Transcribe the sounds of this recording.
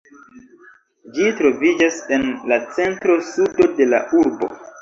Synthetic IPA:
d͡ʒitɾo̞vid͡ʒasenlat͡se̞ntɾo̞sudo̞de̞la̰uɾbo̞̰

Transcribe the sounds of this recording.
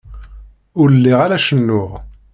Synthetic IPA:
ʊɾəlːiʁalæʃənːʊʁ

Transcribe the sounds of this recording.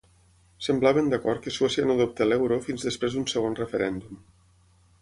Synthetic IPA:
səmblaβənd̪akɔɾt̪̚kəswɛsianoðop̚t̪elɛwɾofinzðəspɾezðunsəɣ̞onrəfəɾɛnd̪um

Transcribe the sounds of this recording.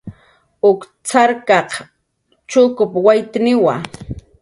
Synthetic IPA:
ʊk | t͡saɾkɑq | t͡ʃʊkʊpwajt̪nɪwa̰

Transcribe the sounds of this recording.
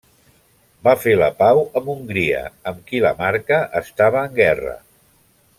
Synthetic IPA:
bafeləpawəmuŋɡɾiə̰əmkilə̰maɾkəʔəst̪aβ̞əːŋɡɛrə̰

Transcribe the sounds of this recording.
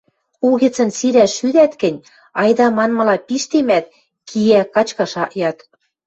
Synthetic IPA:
uɣĕt͡sə̆nsiɾæʃyd̪æt̪kɘ̆nʲ | ɑjd̪ɑmɑnmɤ̆lɑpiʃt̪emæt̪̚ | kʰijækɑt͡ɕkɑʃɑʔjɑt̪

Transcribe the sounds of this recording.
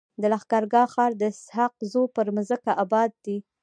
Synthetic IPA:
d̪əlaxɡɑɾɡɑxɑɾd̪əshaq̚zopəɾməzəkaʔabɑd̪̚ːi

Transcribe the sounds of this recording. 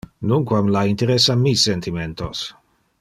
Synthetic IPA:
nuŋkwamlaint̪eɾesːamisːent̪ʰiment̪os

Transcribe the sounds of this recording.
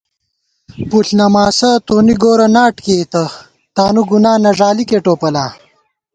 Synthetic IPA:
puɬnɐmaːsɐt̪oːniɡoːɾɐnaːʈkeːt̪ɐ | t̪aːnuɡunaːnɐʐaːlikeʈoːpɐlaː

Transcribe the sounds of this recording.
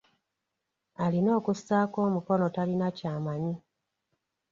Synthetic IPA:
alino̞ːkusːaːko̞ːmuko̞no̞talinacaːmaɲi

